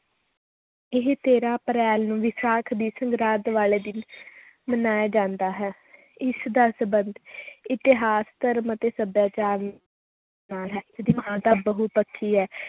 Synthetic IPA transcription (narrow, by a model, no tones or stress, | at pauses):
ɪɦt̪eːɾaːpəɾɛːlnũːʋɪsaːkʰd̪iːsəŋɡɾaːd̪ʋaːleːd̪ɪn | mənaːjaːd͡ʒãːnd̪aːɦɛː | ɪsd̪aːsəbənd̪ɪt̪ɪɦaːst̪əɾmət̪eːsəbjaːt͡ʃaːɾ | aːlɦɛːd̪iːməɦaːt̪aːbəɦʊt̚pəkʰːiːɦɛː